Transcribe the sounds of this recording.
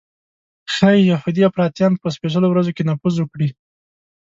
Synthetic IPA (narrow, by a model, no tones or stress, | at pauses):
xajjahud̪iafɾɑt̪jɑnpəspeʒəlowɾazokenafuzwəkɽi